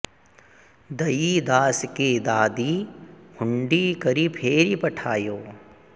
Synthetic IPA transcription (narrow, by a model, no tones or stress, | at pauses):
d̪ɐjid̪aːsked̪aːd̪ihʰʊɳɖikɐɾipʰeːɾipɐʈʰaːjoː